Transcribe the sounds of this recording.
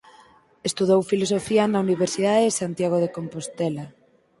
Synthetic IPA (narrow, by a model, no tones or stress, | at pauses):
est̪uðowfilosofianauniβ̞eɾsiðaðeesant̪jaɣ̞oð̞ekompost̪ɛla